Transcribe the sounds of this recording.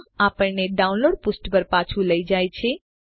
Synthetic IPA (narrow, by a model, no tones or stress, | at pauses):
apəɳneɖaũnloɽ̚pusʈpəɾpat͡ʃʰuləid͡ʒajt͡ʃʰe